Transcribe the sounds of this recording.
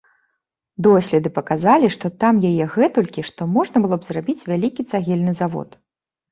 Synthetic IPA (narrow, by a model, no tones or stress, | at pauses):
d̪ɔsʲlʲɛd̪ɨpɐkazalʲiʂt̪ɔt̪amjajɛɣɛt̪ulʲkʲiʂt̪ɔmɔʐnɐbɨlˠɔbzrabʲit͡sʲvʲalʲikʲit̪saɣʲɛlʲnɨzavɔ̰t̪